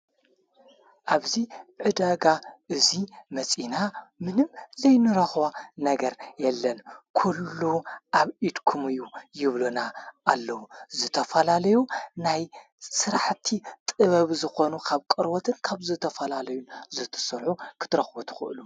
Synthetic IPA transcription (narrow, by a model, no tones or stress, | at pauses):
ʔaβziʕɨd̪aɡaʔɨzimɐt͡sʼinamɨnɨmzɐjnɨɾɐxwanɐɡɐɾjɛlːɐnkʰulːuʔaβʔid̪kʰumɨjːujɪβlunaʔːlːɐwuzɨt̪ʰɐfɐlalɐjunaj | sɨɾaħt̪ʰit̪ʼɨβɐβzɨxo̞nukʰaβkʼɨɾwot̪ʰɨnkʰaβzɨt̪ʰɐfɐlalɐjunzɨt̪ʰɐ̥sɐɾħukʰɨ̥t̪ʰɨɾɐxbot̪ʰɨ̥xɨ̰ʔɨ̰lu